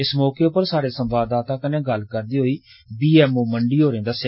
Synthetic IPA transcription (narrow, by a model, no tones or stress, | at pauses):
ɪsmɔːkeːʊpəɾsaːɽeːsəmʋaːd̪aːt̪ãːkəneːɡəlkəɾd̪iːɦoːiː | biːɛːmoːməɳɖiːɦoːɾẽːd̪aːsɪ